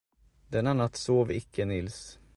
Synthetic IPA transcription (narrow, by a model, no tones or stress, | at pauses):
d̪ɛnːanat̪ːsoːvɪkʰːənɪls